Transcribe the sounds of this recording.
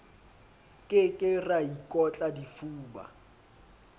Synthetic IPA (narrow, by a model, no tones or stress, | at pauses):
kʼɪkʼɪraikʼɔt͡ɬʼadifuːba̰